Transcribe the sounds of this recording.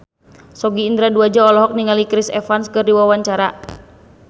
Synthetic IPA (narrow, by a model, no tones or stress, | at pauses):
sɔɡiːnd̪ɾaduad͡ʒaɔlɔɦɔk̚niŋalikɾisɛ̰fanskɨrdiwawaɲt͡ʃaɾa